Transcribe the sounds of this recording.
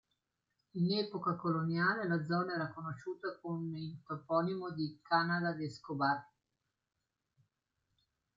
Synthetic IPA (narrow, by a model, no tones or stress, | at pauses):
inɛːpokakolonjaːlelad̪zːɔːnaɛːɾakonoʃːuːt̪akomeint̪opɔːnimod̪ikanad̪ad̪eskobar